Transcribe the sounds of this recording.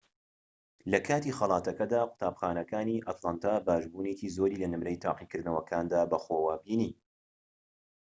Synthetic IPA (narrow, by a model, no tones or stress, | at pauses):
lɐkʰaːt̪ixɑlˠɑːt̪ɐkɐd̪aːqʷʊ̥t̪aːbxaːnɐkaːniːʔɐt̪lˠant̪aːbaːʒbuːneciːzoːɾiːlɐnɨmɾɐjt̪ʰa̰ːqikɨɾd̪nɐwɐkʰaːnd̪aːbɐxoːwaːbiːniː